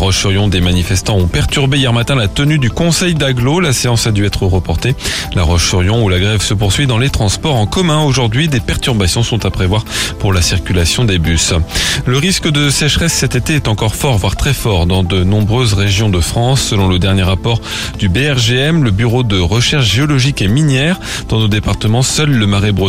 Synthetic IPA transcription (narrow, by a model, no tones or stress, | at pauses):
aʁɔʃfyʁjɔ̃d̪emanifɛst̪ɑ̃ɔ̃pɛʁt̪yʁbeijɛʁmat̪ɛ̃lat̪ənyd̪ykɔ̃sɛjd̪aɡlolaseɑ̃sad̪yɛt̪χəʁəpɔʁt̪elaʁɔʃfyʁjɔ̃ulaɡʁɛvsəp̬uʁsɥid̪ɑ̃let̪χɑ̃spɔʁɑ̃kɔmɛ̃oʒuʁd̪ɥid̪epɛʁt̪yʁbasjɔ̃sɔ̃t̪apχevwaʁpuʁlasiʁkʲylasjɔ̃d̪ebysləʁiskəd̪əsɛʃχɛsːɛt̪et̪eɛt̪ɑ̃kɔʁfɔʁvwaʁt̪χɛfɔʁd̪ɑ̃d̪ənɔ̃bʁøzʁeʒjɔ̃d̪əfχɑ̃sːəlɔ̃ləd̪ɛʁnjeʁapɔʁ | d̪ybeɛʁʒeɛmləbyʁod̪əʁəʃɛʁʃʒeɔlɔʒikeminjɛʁ | d̪̥ɑ̃nod̪epaʁt̪əmɑ̃sœlːəmaʁebʁø